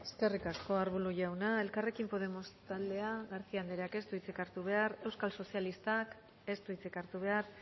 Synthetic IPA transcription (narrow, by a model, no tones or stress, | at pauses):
e̞ske̞rikasko̞aɾβuluʝawnae̞lkare̞kimpo̞ð̞e̞mo̞st̪ald̪e̞aɣaɾθiand̪eɾeake̞st̪uit͡sikaɾt̪uβ̞e̞aɾe̞wskalso̞sialist̪ak | e̞st̪uit͡sikaɾt̪uβ̞e̞aɾ